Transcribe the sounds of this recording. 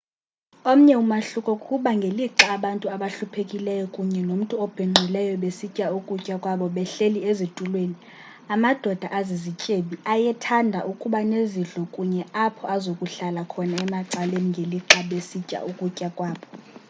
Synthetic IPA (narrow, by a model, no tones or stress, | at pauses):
om̩ɲɛumaɬukʼɔkʼuɓaŋɡʱeliǃaːɓantʼuaɓaɬupʰekʼilɛjɔkʼuɲɛnom̩tʼuɔb̥ʱɛŋ͡ǀʱilɛjɔɓesicʼaukʼucʼakʼwaɓɔɓɛɬeliezitʼulweːni | amad̥ʱɔd̥ʱaʔazizicʼeɓiajɛtʰandʱa̰ʔukʼuɓaneziɮɔkʼuɲɛapʰɔazokʼuɬalakʰɔnaɛmaǀaleniŋɡʱeliǃaɓesicʼa̰ʔukʼucʼakʼwaːɓɔ